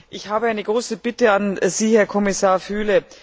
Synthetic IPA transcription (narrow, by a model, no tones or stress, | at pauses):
ʔɪçhaːbəaɪnəɡʁoːsəb̥ɪtəanziːhɛɐkʰɔmɪsaːɐfyːlə